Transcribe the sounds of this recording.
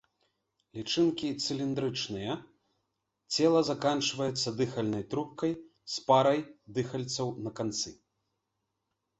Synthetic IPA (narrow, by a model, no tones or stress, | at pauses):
lʲit͡ʂɨnkʲit̪sɨlʲind̪ɾɨt͡ʂnɨjɐ | t͡sʲɛlˠɐzakant͡ʂvɐjɛt̪sːɐd̪ɨxɐlʲnɐjt̪ɾup̚kɐj | spaɾɐjd̪ɨxɐlʲt̪sɐwnɐkant̪sɨ